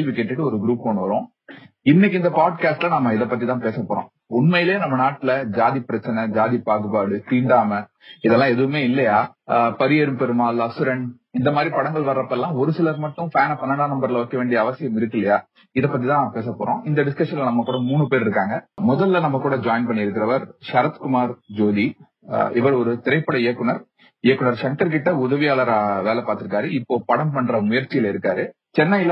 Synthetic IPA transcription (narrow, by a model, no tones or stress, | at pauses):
elʋikeːʈːɯʈːɯɔɾɯɡɪɾuːpːoɳːɯʋɐɾõː | ɪnːɪkːɪnd̪ɐpaːɖ̚kaːsʈlɐnɐmːɐɪðɐpːɐt̪ːit̪ãːpeːsɐpːoːɾõ̰ː | ʊnmɐjɪleːnɐmːɐnaːʈːɪlɐd͡ʒaːðipːɪɾɐt͡ʃːɐnɐd͡ʒaːðipaːɣɯpaːɽɯt̪iːɳɖaːmɐ | ɪðɛlːãːɛðɯʋɯmeːɪlːɐjaːpɐɾɪjɛɾɯmpɛɾɯmaːlɐsɯɾɛɳ | ɪnd̪ɐmaːd̪ɾipɐɽɐŋɡɐɭʋɐɾɾɐpːɛlːãːɔɾɯsɪlɐɾmɐʈːʊ̃faːnɐpɐnːɐnaːnɐmbɐɾlɐoːkːɐʋeːɳɖɪjɐɐʋɐsɪjɐmɪɾɯkːɪlːɐjaː | ɪðɐpːɐt̪̬ːit̪ãːpeːsɐpːo̰ːɾõ̰ːʔɪnd̪ɐɖɪskɐʂɐnlnɐmːɐkːuːɽɐmuːɳɯpeːɾɪɾɯkːaːŋɡɐmɔðɐlːɐnɐmːɐkuːɽɐd͡ʒaːɪnpɐɳːɪɪɾɯkːɪɾɐʋɐɾʃɐɾɐt̪kʊmaːɾd͡ʒoːði | ɪʋɐɾɔɾɯt̪ɪɾɐɪpːɐɽɐɪjɐkːʊnɐɾ | ɪjɛkːʊɳɐɾʂɐŋʈɐɾk̬ɪʈːɐʊðɐʋɪjaːlɐɾʋeːlɛpaːɾt̪ːɪɾɯkːaːɾɯɪpːoːpɐɽɐmpɐɳːɾɐmʊjɐɾt͡ʃːɪjɪlɪɾɯkːaːɾɯ | t͡ʃɛnːɐjɪl